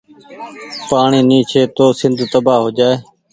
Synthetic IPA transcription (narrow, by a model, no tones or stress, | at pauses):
paːɳiːnĩːt͡ʃʰeːt̪oːsɪnd̪ʱt̪əbaːɦoːd͡ʒaːeː